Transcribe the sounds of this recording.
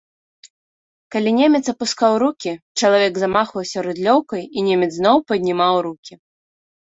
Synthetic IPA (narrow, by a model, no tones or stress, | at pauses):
kalʲinʲemʲɛt̪sɐpuskawɾukʲit͡ʂɐlˠavʲɛɡzamaxvɐwsʲɐɾud̪lʲɔwkɐjinʲemʲɛt̪znɔwpɐd̪ʲnʲimawɾukʲi